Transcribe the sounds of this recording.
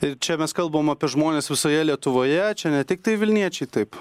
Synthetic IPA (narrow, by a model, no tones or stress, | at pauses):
ɪɾt͡ʃʲɛmʲɛskɐlˠbɐʋoːmɐpʲiɛʒmoːnʲeːsʋʲɪsoːjɛlʲiɛt̪ʊʋoːjɛt͡ʃʲɛnʲɛt̪ʲɪk̚t̪ɐɪʋʲɪlʲnʲiɛt͡ʃʲɛɪt̪ɐɪp